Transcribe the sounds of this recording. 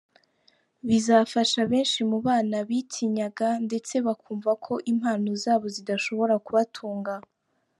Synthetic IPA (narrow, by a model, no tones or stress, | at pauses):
βizafaʃaβe̞ːnʃimuβaːnaβitʰiɲaɡande̞t͡se̞βakʰuːɱvakʰo̞ʔim̥haːnozaːβo̞zidaʃo̞βo̞ɾakuβatʰuːŋɡa